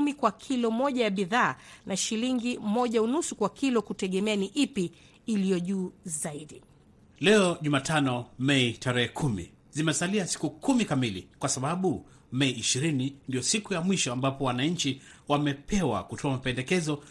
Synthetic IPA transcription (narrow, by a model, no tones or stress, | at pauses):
mikwakʰilɔmɔʄajaɓiðaːnʔaʃiliŋɡimɔʄaunusukwakʰilɔkutɛɠɛmɛaniʔipiː | lijɔʄuːzaiɗi | lɛɔʄumaːtʰanɔmɛitaɾɛhɛkʰumḭ | zimɛsaliasi̥kukumikamilḭkwasaɓaɓu | mɛiːʃiɾinindijɔsikujamwiʃɔambapɔwanaɲ̩t͡ʃiwamɛpʰɛwa̰kutʰɔamapɛndɛkɛzɔ